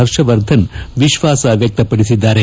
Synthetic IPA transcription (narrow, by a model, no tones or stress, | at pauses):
ɐɾʃɐʋɐɾd̪ʱɐnʋiʃʋaːsɐʋjɐk̚t̪ɐpːɐɽisid̪ːaːɾe